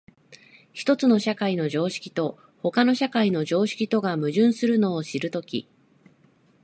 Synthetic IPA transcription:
çi̥t̪o̞t͡sɨno̞ɕakaino̞ʑo̞ːɕi̥kʲi̥t̪o̞ | ho̞kano̞ɕakaino̞ʑo̞ːɕi̥kʲit̪o̞ɡamɯ̟ʑɨ̃ɰ̃sɨɾɯ̟no̞ːɕiɾɯ̟t̪o̞kʲḭ

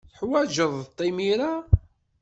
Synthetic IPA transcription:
θəħwæʒəðˤt̪ˤːimiɾa

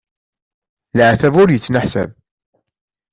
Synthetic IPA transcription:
lʕθævʊɾjət͡sːnaħsæ̰b

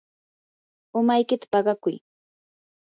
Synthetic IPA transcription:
ʊmajkɪt̪ḁpɑɢɑkʊj

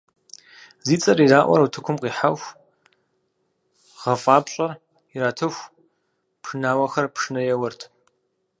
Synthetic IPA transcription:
ziːt͡sʼɐɾiraːʔʷɔ̰ɾɐwtʰɨkʷʰʊmqiːħaxʷ | ʁ̥ɐfʼaːpɕʼɐr | iɾaːtʰɨxʷ | pʰʂɨnaːwɐxɐrpʰʂɨnɐjɛwɐrtʰ

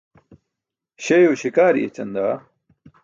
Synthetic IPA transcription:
ɕejoːɕikaːɾḭḛt͡ɕɐnd̪aː

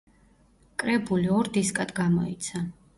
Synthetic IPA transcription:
kʼɾɛbuliɔɾd̪iskʼad̪ɡamɔit̪sʰa

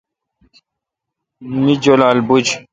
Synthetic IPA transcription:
mid͡ʑolaːlbud͡ʑ

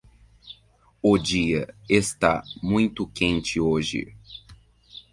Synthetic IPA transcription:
ʊd͡ʒiɐest̪a̰mũj̃t̪ʊkẽnt͡ʃɪoʒɪ̰

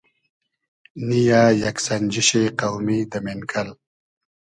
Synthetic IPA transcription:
nijaːjaksand͡ʒiʃeqawmid̪əmenkʰal

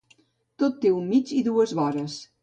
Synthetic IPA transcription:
t̪ot̪ːeummid͡ʒiðuəzβɔɾəs

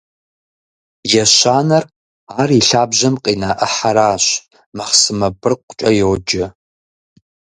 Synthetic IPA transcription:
jɛʃʷaːnɐr | aːriɬaːbʒɐmqʼinaːʔəħaɾaːɕ | mɐχsɨmɐbɨrqʷʼt͡ʃʼɐjwd͡ʒɪ

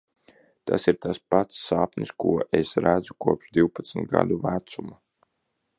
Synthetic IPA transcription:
t̪a̰siɾt̪aspat̪sːaːpnʲiskuɔʔesɾæd̪zukuɔpʃd̪ʲiwpḁt̪smt̪̚ɡa̰d̪uvæt̪suma

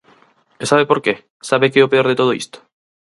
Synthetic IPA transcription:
esaβepoɾke | saβekɛopeoɾðet̪oðoḭst̪o̥

